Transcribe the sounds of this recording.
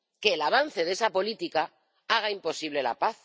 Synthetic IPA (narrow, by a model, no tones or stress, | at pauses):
ke̞ːlaβ̞anθe̞ðe̞sapo̞lit̪ika | aɣ̞aimpo̞siβle̞la̰paθ